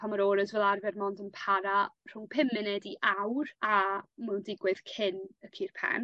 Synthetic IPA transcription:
pʰamaɾoːɾəzvɛlˠarvɛrmɔndənpʰaɾar̥ʊŋpʰɪmɪnɛdiʔawramɛndɪɡwɨð̥kʰɪnəkʰiːrpʰɛ̰n

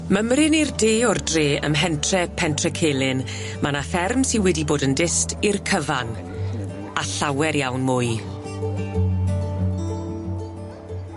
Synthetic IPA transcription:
məmrɪnirdeːɔrdreːə̰mɦɛntʰrɛpʰɛntʰrɛkʰeːlˠɪn | manafɛrmsɪnwɛdiboːdəndɪstirkʰəvan | aɬawɛɾjawnmʊːj

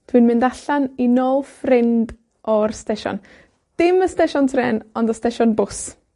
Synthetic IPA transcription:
d̥ʰwinmɪndaɬaninoːlˠfrɪnd | ʔɔrstɛʃɔ̰n | d̥ɪməstɛʃɔntʰrɛnɔndəstɛʃɔnbʊs

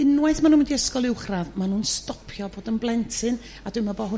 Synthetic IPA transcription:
ɪnwɛθmanũːnwndiəskɔlˠɪwχravmanuːnstɔpʰjɔboːdənblˠɛntʰɨn | ad̥ʊɨmabɔːɦʊ

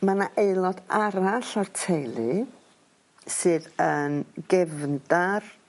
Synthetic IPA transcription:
manaʔeɨlˠɔdaɾaɬɔrtʰejlˠɨ | sɨːðənɡ̥ɛvndar

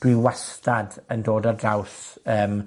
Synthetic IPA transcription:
d̥wiwastadəndoːdadrawsəːm

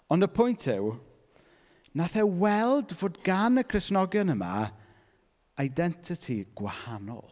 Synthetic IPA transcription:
ɔndəpʰʊjntʰɪw | naθɛwɛlˠdvoːdɡanəkʰrɪsnɔɡjɔnəma̰ | ajdɛntʰɪtʰiɡ̥wahanɔ̰lˠ

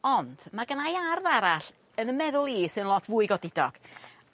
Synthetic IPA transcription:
ɔnd̥maɡanajarðaɾaɬ | ənənmɛðʊlˠiːsɨnlˠɔtʰvuːɨɡɔdɪdɔɡ̥

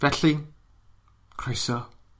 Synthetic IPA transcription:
vɛɬi | kʰrɔjsɔ

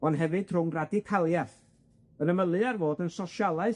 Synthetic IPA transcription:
ɔnɦɛvɨd̥r̥ʊŋradikʰalˠjaθ | ənəməlˠɨarvoːdənsɔʃalˠaɨ

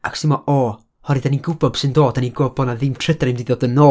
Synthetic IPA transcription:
aksɪmɔʔɔː | hɔɾɨdaniɡʊbɔb̥sɨndoːdaniɡobɔnaðɪmtʰrədaɾimdiðoːdənoː

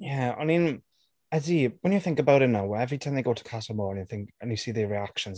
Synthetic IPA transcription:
jaa̰mĩn | ədiwə̃njəθɪ̃ŋkəbaʊɾɪtnaʊwəɛvɹitʰãɪ̃mðeɪɡoʊtʰə̥kʰatəmɔə̃njəθɪ̃ŋkə̃njəsiːðəɹiakʃə̃nz

